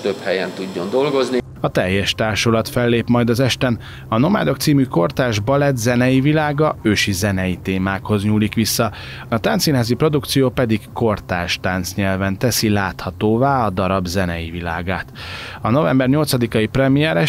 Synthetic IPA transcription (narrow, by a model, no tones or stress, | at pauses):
t̪øphɛjɛnt̪uɟːo̞nd̪o̞lɡo̞zni | ɒt̪ɛjːɛʃt̪aːrʃolɒt̪fɛlːeːpmɒjd̪ɒzɛʃt̪ɛn | ɒno̞ma̰ːd̪o̞kt̪siːmyko̞rt̪aːʒbɒlɛt̪zɛnɛjivilaːɡɒøːʃizɛnɛjit̪eːmaːkho̞zɲuːlikʋisːɒ | ɒt̪ant̪sinɦaːzipro̞d̪ukt̪sijoːpɛd̪ikːko̞rt̪aːʃt̪ant̪sɲɛlvɛnt̪ɛsilaːt̪hɒt̪oːvaːɒd̪ɒɾɒbzɛnɛjivila̰ːɡaːt̪ɒno̞vɛmbɛrɲo̞lt̪sɒd̪ikɒjiprɛmijɛɾɛ